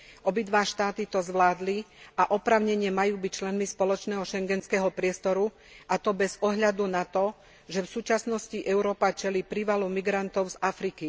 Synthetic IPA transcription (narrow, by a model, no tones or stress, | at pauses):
ʔɔbid̪ʋaːʃt̪aːt̪it̪ɔzʋlaːd̪liaʔɔpɾaːʊɲɛɲɪɛmajuːbic̚t͡ʃlɛnmispɔlɔt͡ʃnɛːɦɔʃɛŋɡɛnskɛːɦɔpɾɪɛst̪ɔɾu | ʔat̪ɔbɛzɔɦʎad̪unat̪ɔ | ʒɛfsuːt͡ʃasnɔsciʔɛʊɾɔːpat͡ʃɛliːpɾiʋalumiɡɾant̪ɔʊzafɾiki